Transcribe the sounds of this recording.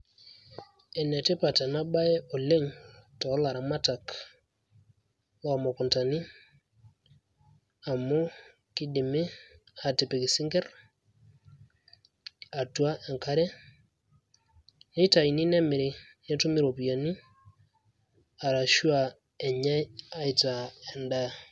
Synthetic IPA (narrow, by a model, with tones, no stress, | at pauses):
ɛ˨nɛ˨te˦pa˨ta˨na˦ɓa˦ɛ˦ʔɔ˨le˦ŋtɔ˨˦la˨ɾa˨ma˦ta˨k | a˨mɔ˨kʊ˨nta˨ni˦ | a˨mɔ˦ | kɪ˦dɪ˨mɪ˦ | a˨tɪ˨pe˨kɪ˨sɪ˦ŋɡɛ˦r | a˨tu˦a˦ʔɛ˨ŋka˦ɾɛ˦ | nɛ˦ta˨i˨ni˦nɛ˦mɪ˨ɾɪ˦ | nɛ˦tʊ˦mɪ˦ɾo˨pi˨ja˨ni˦ | a˨ɾa˨ʃu˦a˨ | ɛ˨ɲɛ˦a˦ɪ˨ta˨ɛ˨nda˦˨